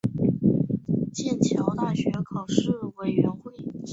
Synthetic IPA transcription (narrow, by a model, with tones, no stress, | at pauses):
t͡ɕjɛ˥˩nt͡ɕʰjɑ˧˥ʊt̪a˥˩ɕɥɛ˧˥kʰɑ˨˩ʊʂɻ̩˥˩we˨˩ɪɥɛ˧˥nxwe˥˩ɪ